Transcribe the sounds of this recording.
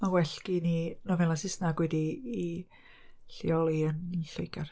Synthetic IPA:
mawɛɬkininɔvɛlˠasɪsnaɡwɛdiː | ɬiɔlˠiəniɬojɡar

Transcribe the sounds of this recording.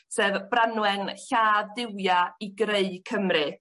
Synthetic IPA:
sɛːvb̥ranwɛnɬaːðdɪwjaiɡreɨkʰəmrɨ

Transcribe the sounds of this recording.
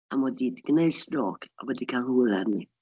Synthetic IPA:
amɔdidɡ̥neɨsrɔːkʰa̰wɛdikʰalˠhulˠɛrni

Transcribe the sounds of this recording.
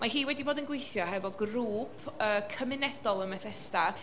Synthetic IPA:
mahiːwɛdiboːdənɡwejθjɔhɛvɔɡruːpʰəːkʰəmɪnɛd̥ɔlˠənmɛθɛsta

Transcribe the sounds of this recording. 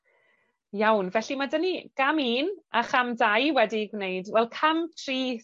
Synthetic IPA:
jawnvɛɬimadəniɡ̥amiːnʔaχamdajwɛdiɡwnejdvɛlˠkʰamtʰriː

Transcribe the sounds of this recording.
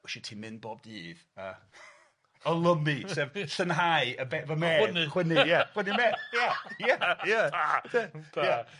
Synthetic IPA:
ʊʃɛtʰiːmɪnbɔb̚diːvə | əlˠəmisɛvɬənɦajəbɛvəmɛːnwɪnɪjawɪnimɛːjajaja | ja

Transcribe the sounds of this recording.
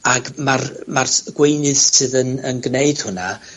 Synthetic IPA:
aɡmarmarɡ̥wejnɨðsɨðənənɡneɨd̥hʊna

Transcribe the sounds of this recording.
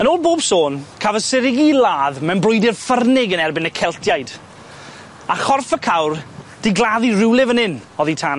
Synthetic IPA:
ənoːlˠboːb̥soːnkʰavəsɪɾɪɡilaːðmɛnbrʊjdɪrfərnɪɡənɛrbɪnəkʰɛlˠtʰjajd̥ | aχɔrfəkʰawrd̥ɪɡlˠaðirɪwlˠɪvənɪnɔðitʰaːn

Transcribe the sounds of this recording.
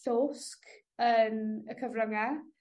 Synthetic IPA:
ɬoːsk | ənəkʰəvrəŋa

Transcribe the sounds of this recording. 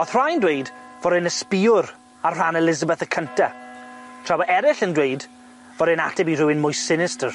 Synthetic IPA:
ɔθr̥ajndwejdvɔɾɪnəspiʊr | arr̥anɛlɪzəbəθəkʰəntʰa | tʰrawɛɾɪɬəndwejd | vɔɾɪnatʰɛbirʊwɪnmʊjsɪnɪstər

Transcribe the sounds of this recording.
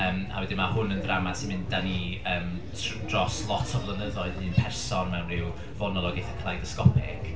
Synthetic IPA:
əːma̰wɛdɪmahʊnənðramḁsʰinmɪnddaniəːm | d̥rɔslˠɔtʰɔvlˠənəðɔɨðnɨnpʰɛrsɔnmɛwnrɪw | vɔnɔlˠɔɡɪθəkʰlˠajdəskɔpʰɪ̰ɡ̥

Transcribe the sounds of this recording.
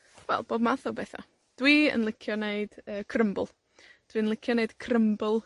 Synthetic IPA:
wɛ̰lˠb̥oːbmaθɔbɛθa̰ | d̥wiːə̰nlˠɪkʰjɔneɨd̥əːkʰrəmbʊ̰lˠ | d̥wiːənlˠɪkʰjɔneɨd̥kʰrəmbʊlˠ

